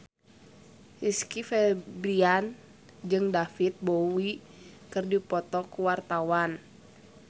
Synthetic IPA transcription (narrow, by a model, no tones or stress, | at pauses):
hiskifɛbɾian | d͡ʒɨŋdafit̪̚bowi | kɨrdipɔt̪ɔkuwart̪awan